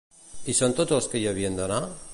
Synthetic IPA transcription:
isont̪ot̪olskejoβiend̪ona

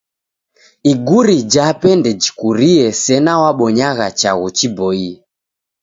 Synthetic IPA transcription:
iɡuɾid͡ʒapɛndɛd͡ʒikuɾiɛsɛnawaɓɔɲaɣat͡ʃaɣut͡ʃibɔiɛ

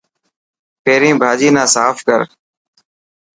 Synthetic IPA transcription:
peːɾĩːbʱaːd͡ʒiːnãːsaːfkəɾ

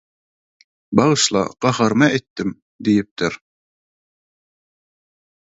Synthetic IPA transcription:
bɑʁɯʃlˠɑ̰qɑhɑɾmɑet̪ːim | d̪ijip̚t̪ɪɾ

